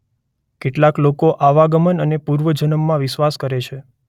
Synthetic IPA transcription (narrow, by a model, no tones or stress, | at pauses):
keʈlaklokoʔaʋaɡəmənənepuɾʋəd͡ʒənəmːãʋɪʃʋaskəɾet͡ʃʰe